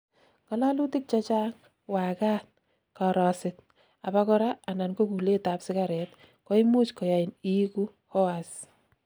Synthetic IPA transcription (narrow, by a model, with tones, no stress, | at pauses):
kɔ˨˦la˦lu˦tɪ˦k̚t͡ʃa˦t͡ʃa˦ŋ | wa˨ka˦t̚ | kɔ˨ɾɔ˨sɪt | a˨ba˦kɔ˦ɾa˦a˨na˨nko˦ku˨le˦ta˨psɪ˦ka˨ɾɛ˨t | ko˦i˦mu˦t͡ʃkɔ˨ja˨i˨ni˦ku˦ | hɔ˦as